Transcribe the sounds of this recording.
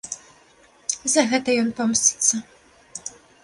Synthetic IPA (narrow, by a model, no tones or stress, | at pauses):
zɐɣɛt̪ɐjɔnpɔmsʲi̥t̪sːɐ